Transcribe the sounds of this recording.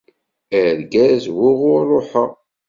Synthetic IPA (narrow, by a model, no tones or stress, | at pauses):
æɾɡæzwʊʁʊɾrˤːoħə